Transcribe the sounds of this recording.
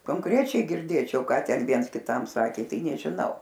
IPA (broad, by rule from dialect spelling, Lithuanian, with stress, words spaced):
koːŋˈkrʲæːt͡ʃʲɛɪ ɡʲɪrʲˈdʲeːt͡ʃʲɛʊ ˈkɑː ˈtʲɛn ˈʋʲiɛns kʲɪˈtɐm ˈsɑːkʲeː ˈtɐɪ nʲɛʒʲɪˈnɐʊ